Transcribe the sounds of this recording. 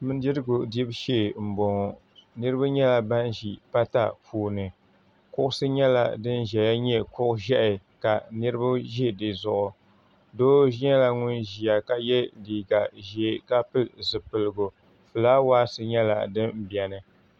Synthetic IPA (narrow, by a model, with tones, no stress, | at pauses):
mɨ˦n˦di˦ɾɨ˦ɡʊ˨di˦bʃeː˦˨m̩˨bo˨ŋ˨ | nɨ˦ɾɨ˦ba˦ɲɛ˦la˦ba˦nʒi˨pa˦ta̰˦pʰuː˨nɨ˨ | kʊ˦ʔʊ˦sɨ˦ɲɛ˦la̰˨dɨ˦nʒɛ˨ja˦ɲɛ˦kʊ˦ʔʊ˦ʒɛ˦ʔɪ˨ka˨nɨ˦ɾɨ˦ba˦ʒɛ˦dɨ˨zʊ˨ʔʊ˨ | doː˦ʒi˦ɲɛ˦la˦ŋʊ˦nʒi˨a˨ka˨jɛ˦liː˨ɡa˨ʒɛ˨˦ka˦pɨ˦lzɨ˨pɨ˨lɨ˨ɡʊ˨ | fɨ˨laː˦waː˦sɨ˦ɲɛ˦la̰˨dɨ˦nm̩˦bi˨ɛ˨nɨ˨